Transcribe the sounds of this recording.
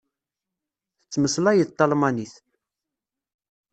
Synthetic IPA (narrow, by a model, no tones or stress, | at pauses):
θət͡sːməslæjət̪ˤːɑlmɑniθ